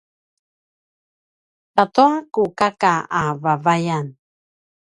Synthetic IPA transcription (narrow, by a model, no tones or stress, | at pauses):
tatuakukakaavavajan